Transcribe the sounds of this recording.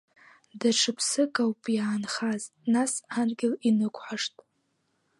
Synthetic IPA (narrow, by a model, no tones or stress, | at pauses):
daʈ͡ʂʰɨpʰsɨkʼawpʼjaːnχaznasanɡʲɪlinɨkʷʰʼħaʂtʼ